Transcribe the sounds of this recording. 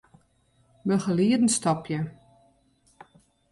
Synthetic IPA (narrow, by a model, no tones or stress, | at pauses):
bəχəliədn̩stɔpʰjə